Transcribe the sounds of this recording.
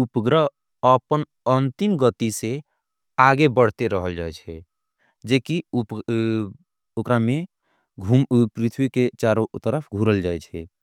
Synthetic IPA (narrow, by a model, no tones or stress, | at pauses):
upɡɾəɦ | əpən | ənt̪imɡət̪ise | aɡebəɽ̤t̪eɾəɦəld͡ʒa̰ɛt͡ʃʰɛ | d͡ʒekiup | okɾame | ɡʱumpɾit̪ʰwiket͡ʃaɾot̪əɾəpʰɡʱuɾəld͡ʒaɛt͡ʃʰɛ